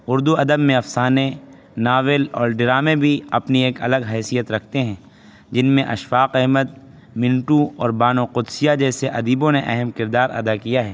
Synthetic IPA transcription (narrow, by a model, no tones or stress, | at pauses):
ʊɾd̪uɐd̪əbmẽɐfsaːne | naːʋəlɔːɾɖɪɾaːmebʱiɐpnieːkɐ̰ləɡɦɛːsijət̪ɾɐkʰt̪eɦɛ̃ː | d͡ʒɪnmẽʔɐ̰ʃfaːqɛɦmət̪̚ | mɪ̃nʈuɔːɾbaːnoqʊd̪sijad͡ʒɛːseʔɐd̪iːbõneʔɛɦəmkɪɾd̪aːɾɐ̰d̪akijaɦɛː